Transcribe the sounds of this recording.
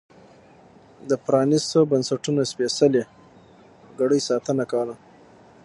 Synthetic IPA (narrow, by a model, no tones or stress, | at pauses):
d̪əpɾɑnist̪obansaʈunospesale | ɡaɽəjsɑt̪ənakawəla